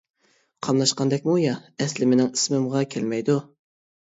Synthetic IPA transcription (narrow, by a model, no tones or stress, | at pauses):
qʰɑmlˠɑʃqɑnd̪ɛk̚ʲmujɑɛslɪmɪnɪŋismɪmʁɑkʲʰelmɛjd̪u